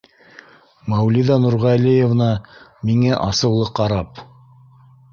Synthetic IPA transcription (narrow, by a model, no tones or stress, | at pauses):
mæwliðɑnuɾʁɑlijevnɑmiŋæʔɑsɤ̆wlˠɤqɑɾɑp